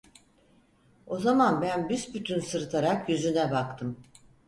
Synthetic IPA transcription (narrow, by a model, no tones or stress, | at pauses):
o̞zamanbænbysbyt̪ʰynsɯɾt̪ʰaɾakjyzynɛbakt̪ʰɯm